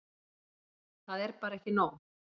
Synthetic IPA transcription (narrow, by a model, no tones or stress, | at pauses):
θaðɛɾpaɾaɛhcɪnoːɣ